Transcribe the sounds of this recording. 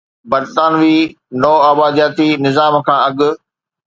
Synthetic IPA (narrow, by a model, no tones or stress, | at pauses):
bɐɾt̪aːnʋiː | nɔːaːbaːd̪jaːt̪inɪzaːmkʰãːɐɠʊ̆